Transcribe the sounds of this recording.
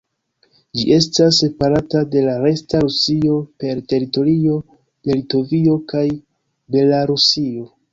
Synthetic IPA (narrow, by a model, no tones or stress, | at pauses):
d͡ʒḭʔe̞stas̬epaɾatade̞laɾe̞staɾusio̞pe̞ɾte̞ɾito̞ɾio̞ | elito̞vio̞kaj | be̞laɾusio̞